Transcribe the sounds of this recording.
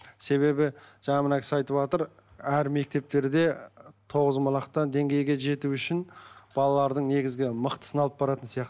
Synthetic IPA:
se̞βe̞bɪʒ̥ɑɴɑmənɑkʲɪ̥sɑjt̪əpɑt̪əɾ | æɾme̞k̚t̪e̞p̚t̪e̞ɾd̪e̞t̪ʰo̞ʁəzmɑlˠɑqt̪ɑnd̪e̞ŋɡʲe̞jɡʲe̞ʒe̞t̪uʏʃɪnb̥ɑlˠɑlˠɑɾd̪əɴne̞ɡʲɪzɡʲɪməqt̪ə̥sənɑlˠəp̚bɑɾɑt̪ənsijɑqt̪ə

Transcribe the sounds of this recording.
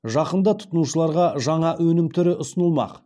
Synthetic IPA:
ʒɑqənd̪ɑt̪ʰʊ̥t̪ənuʃəlˠɑɾʁɑʒɑɴɑʔwɵnɪmt̪ʰʏɾɪʔʊsənəlˠmɑ̰q

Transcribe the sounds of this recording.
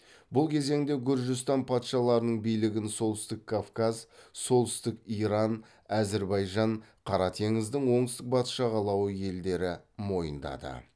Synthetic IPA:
bʊlˠkʲʰe̞ze̞ŋd̪e̞ɡʲʊɾʒɪst̪ɑnpʰɑt̪ʃɑlˠɑɾənəɴbijlɪɡʲɪnso̞lˠt̪ɪst̪ɪkʰːafkɑzso̞lˠt̪ɪst̪ɪkijɾɑn | æzeɾbɑjʒɑɴqʰɑɾɑt̪ʰe̞ŋɪzd̪ɪŋwo̞ɴst̪ɪq̚bɑt̪ʃɑʁɑlˠɑwəje̞ld̪e̞ɾɪmo̞jə̰nd̪ɑ̰d̪ə̰

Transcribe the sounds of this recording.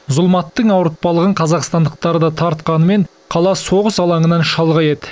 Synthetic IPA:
zʊlˠmɑt̪ːəɴɑwɾət̪̚pɑlˠəʁəɴqʰɑzɑqst̪ɑnd̪əq̚t̪ɑɾəd̪ɑt̪ʰɑɾt̪̚qɑnəme̞ɴ | qʰɑlˠɑso̞ʁəsɑlˠɑɴənɑnʃɑlˠʁɑje̞t̪ɪ

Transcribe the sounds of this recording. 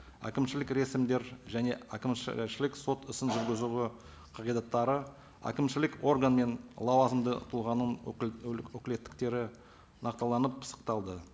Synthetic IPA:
æ̰kʲɪmʃɪlɪkɾe̞sɪmd̪e̞ɾʒæne̞ækʲɪmʃɪlɪkso̞t̪ɪsɪnʒʏɾɡʲɪzuwɪ | qʰɑʁijd̪ɑt̪ːɑɾə | æ̰kʲɪmʃɪlɪko̞rɡanme̞nlˠɑwɑzəmd̪ə̰t̪ʰʊlˠʁɑnəɴ | wɵkʲɪle̞t̪ːɪ̥kt̪e̞ɾɪ | nɑqt̪ɑlˠɑnəp̚sɑ̥qt̪ɑlˠd̪ə

